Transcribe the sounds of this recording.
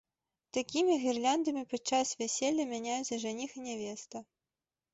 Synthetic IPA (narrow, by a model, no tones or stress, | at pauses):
t̪akʲimʲiɣʲirlʲand̪ɐmʲipɐt͡ʂasvʲɛsʲɛlʲːɐmʲanʲajuɐʐɛnʲixinʲɛvʲɛst̪ɐ